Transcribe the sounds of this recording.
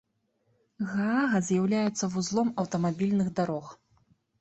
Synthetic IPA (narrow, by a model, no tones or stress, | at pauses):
ɣaaɣɐzʲjawlʲajɛt̪sːɐvuzlˠɔmɐwt̪ɐmabʲilʲnɨɣd̪aɾɔx